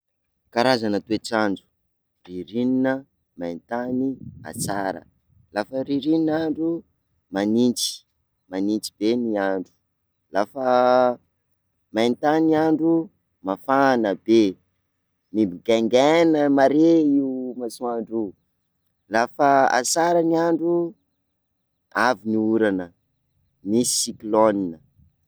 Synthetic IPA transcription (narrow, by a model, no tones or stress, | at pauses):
kaɾazanət̪ueʈ͡ʂand͡ʒu̥ | riɾininə | majnt̪ania̰t͡saɾə̰ | lafəɾiɾininaɳɖ͡ʐu | manint͡si̥ | manint͡si̥b̥eniaɳɖ͡ʐu̥ | lafə | majnt̪aniaɳɖ͡ʐu | mafanəbe | mibiɡaŋɡɛnəmaɾeiumasuaɳɖ͡ʐu | lafəa̰saɾaniaɳɖ͡ʐu | aviniuɾanə | misikloninə